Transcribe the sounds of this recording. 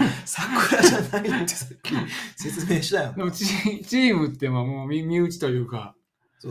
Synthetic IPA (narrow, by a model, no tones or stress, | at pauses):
sakːɯɾaʑanait̪ːesakʲːise̞t͡sɨme̞ːɕi̥t̪ajod̪emot͡ɕit͡ɕiːmɯ̟t̪ːe̞mamoːmʲimʲiɯ̟t͡ɕi̥t̪o̞jɯ̟ːka | so